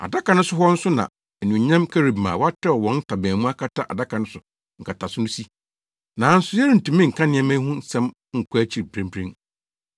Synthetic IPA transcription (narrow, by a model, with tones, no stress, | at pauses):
a̰˨da˦ka˨nʊ̃˦sʊ˦ɦɔ˦n̩˦sʊ˦nã̰˨ | ɛ˨nũ˨ɲã˦mkʰɛ˦ɾi˨bmã̰ː˨wɔ˦a˦tʰɛ˦ɔ˨wɔ̃˨˦n̩˦tʰa˨bæ̃ː˨mũ˦a˦kʰa˦tʰa˦ʔa̰˨da˦kʰa˨nʊ̃˦sʊ˨ | ŋ̩˨kʰa˨tʰa˨sʊ˦nʊ̃˦si˦ | nã˨˦n̩˦sʊ˦jɛ˦ɾi˨n̩˨tũ˨mĩ˦ŋ̩˨kʰã˦nɪ̃˦ɛ˦mæ̃˦ɦʊ̃˦n˦sɛ̃˦m | ŋ̩˨kʰæ˦t͡ɕʰi˨ɾpʰɾẽ˦mpʰɾẽ˦